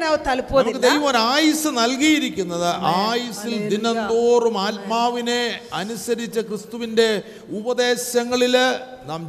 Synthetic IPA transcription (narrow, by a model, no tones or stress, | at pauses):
naʋɐt̪ɐlpːoɐmukːɨd̪ejʋɐmoɾaːjɐsɨnɐlk̬ijiɾikʲːunːɐðɨʔaːjɐsild̪inɐnd̪o̞ːrumaːlmaːʋine̞ɐnusɐɾit͡ɕːɐkrɨst̪uʋinde̞ | ubɐðe̞ːɕɐŋːɐɭil | naːm